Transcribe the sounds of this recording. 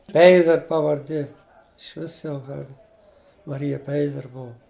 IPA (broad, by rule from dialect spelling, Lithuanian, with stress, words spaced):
ˈpʲɛɪzʲɛr pɐʋɐrʲˈdʲeː ɪʃʲˈʋʲɪs jɛʊ ˈɐr mɐˈrʲɪjɛ ˈpʲɛɪzʲɛr ˈbʊʋʊ